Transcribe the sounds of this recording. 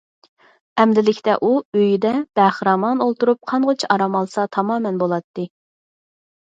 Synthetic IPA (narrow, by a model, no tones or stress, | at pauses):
ɛmd̪ɪlɪkʲt̪ɛ̰ʔuøjid̪ɛb̥ɛχɾɑmɑnolˠt̪uɾup̚qʰɑnʁot͡ʃʰʔɑɾɑmɑlˠsɑt̪ʰɑmɑːmɛnbolˠɑt̪ːɨ